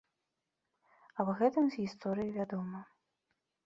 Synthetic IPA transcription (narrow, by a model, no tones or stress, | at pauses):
ɐbɣɛt̪ɨmzʲɣʲist̪ɔɾɨjivʲad̪ɔmɐ